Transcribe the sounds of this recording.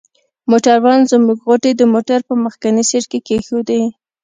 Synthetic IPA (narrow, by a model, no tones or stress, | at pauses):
moʈaɾwɑnzəmuɡɣoʈed̪əmoʈaɾpəməxkaniseʈkekexod̪ej